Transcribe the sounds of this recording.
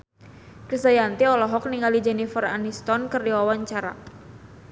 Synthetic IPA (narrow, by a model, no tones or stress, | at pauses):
kəsajant̪iɔlɔɦɔk̚niŋalid͡ʒɛnifəra̰nist̪ɔnkərdiwawaɲt͡ʃaɾa̰